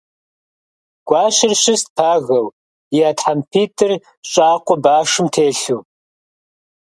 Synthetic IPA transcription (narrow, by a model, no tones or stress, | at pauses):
ɡ̥ʷɑːɕɪrɕɪst̚pʰaːɣɐw | jaːtħampʰiːtʰʼɨr | ɕʼaːqʷɔbaːʂɨmtʰeːɬuː